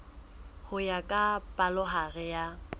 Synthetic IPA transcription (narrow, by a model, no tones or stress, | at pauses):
hʊjakʼapʼalʊɦaɣɛja